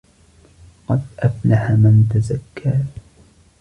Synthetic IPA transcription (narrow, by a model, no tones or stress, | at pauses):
qɑd̪ʔaflaħamant̪azakːaː